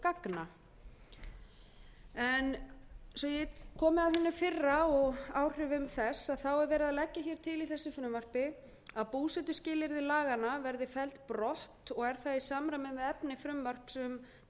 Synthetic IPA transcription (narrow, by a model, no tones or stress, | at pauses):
kakna | ɛnsɔjɛkʰɔːmɪaðθɛnːʏɾfɪrːaɔɣaːwr̥ʏvɪʏmθɛsaðθawɛɾvɛːɾɪðalɛcːaçɛɾ̥t̪ʰɪliθɛsːʏfɾʏmar̥pɪ | aðpuːsɛt̪ʏscɪːlɪɾðɪlaːɣanavɛɾðɪfɛlt̪pɾɔht̪ɔɣɛɾ̥θaðisaːmɾamɪmvɪðɛpnɪfɾʏmvar̥psʏm